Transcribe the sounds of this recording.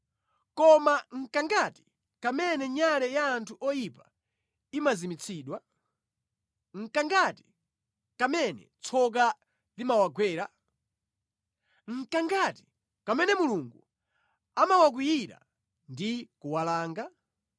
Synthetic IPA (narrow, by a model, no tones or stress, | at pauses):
kɔmaŋ̩kaŋɡati̥ | kamɛnɛɲalɛjaːntʰuʔɔjipa | imazimit͡sʰiːɗwa | ŋ̩kaŋɡati̥ | kamɛnɛ̰t͡sʰɔk̬a | limawaɡwɛːɾa | ŋ̩kaŋɡati̥ | kamɛnɛmuluŋɡu | amawak̬wijiɾa̰ | ndikuwalaːŋɡa